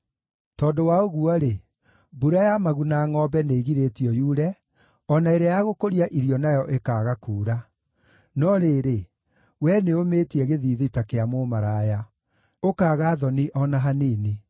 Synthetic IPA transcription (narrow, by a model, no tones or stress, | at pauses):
tɔːdowaoɣuɔɾe | buɾajamaɣunaːŋɔbɛneɣiɾetiɔjuɾɛ | ɔnaeɾeajaɣokoɾiaʔiɾiɔnajɔʔekaːɣakuːɾa | nɔɾeːɾe | wɛneomeːtiɛɣeðiːðitakeamomaɾaja | okaːɣaːðɔniʔɔnaɦaneːne